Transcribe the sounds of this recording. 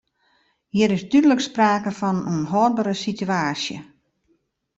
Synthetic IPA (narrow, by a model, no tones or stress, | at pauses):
hiəɾɪsdydələkspraːkəfɔnunɦɔːr̚bəɾəsityaːsjə̰